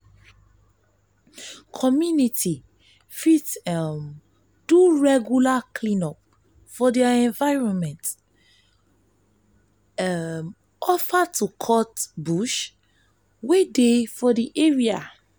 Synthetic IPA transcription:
kʰɔmjunitʰi | fitm | d̥uɹɛɡjulakʰlĩnɔp̚ | fɔdɛaɛ̃ɱvaɪɹɔ̃nmɛ̃nt | m | ɔfatʰukʰɔtbuʃ | wedefɔdiʔeɹia

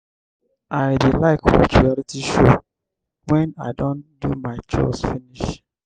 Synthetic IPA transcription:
ʔaɪdelaɪkwɔ̰tɹialitʰiʃo | wɛ̃na̰ɪdõndumaɪt͡ʃɔ̰sfiniʃ

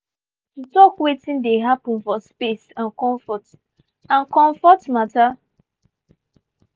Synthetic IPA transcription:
n̩tɔkwetĩndeɦapɔ̃nfɔspesãnkɔ̃ɱfɔt | ãnkɔ̃ɱfɔtmata

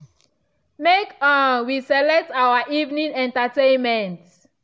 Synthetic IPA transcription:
mekãwisɛlɛk̚tawaʔivnĩnɛ̃ntatẽnmɛ̃nt

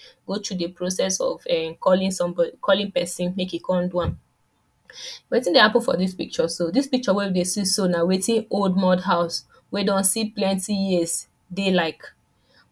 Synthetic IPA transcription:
ɡ̥otʰudəpɹosɛsɔ̰vɛ̃mkʰɔlĩŋsɔ̃mbɔdikʰɔlĩŋpɛsĩnmekikʰɔ̃nduãn | wetĩndehapə̃nfɔ̰dispik̚t͡ʃɔsodispik̚t͡ʃɔwɛfdesisonawetĩnold̚mɔdɦaʊs | wɛdɔ̃nsiplɛ̃ntijiəs | delaɪk

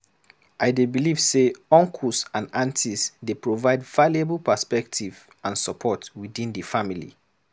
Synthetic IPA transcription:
ʔaɪdebiliv̥seɔ̃ŋkʰusãnãntʰisdepɹovaɪdvaljebəlˠpəspɛk̚tʰiv | ãnsəpʰɔtwidĩndəfamilḭ

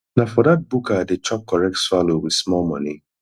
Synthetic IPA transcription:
nafɔdat̚bukadet͡ʃɔp̚kɔɹɛk̚tswalowismɔlmɔ̰̃ni

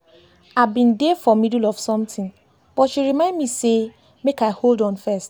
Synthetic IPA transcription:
aɪbĩndefɔmidulɔv̥sɔ̃mtʰɪ̃ŋ | b̥ɔtʃiɾɹimãɪ̃ndmise | mekaɪholdɔ̃nfɛst

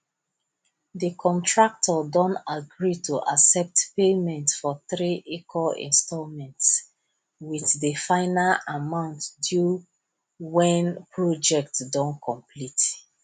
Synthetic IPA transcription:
dəkʰɔ̃ntʰɹak̚tʰɔdɔ̃ntaɡɹitʰuʔasɛp̚tpemɛ̃ntsfɔθɹiʔikʰɔḭ̃nstɔlmɛ̃nts | wiθdəfãɪnalamãʊ̃ntdju | wɛ̃npʰɹɔd͡ʒɛk̚tdɔ̃nkʰɔ̃mpʰlit

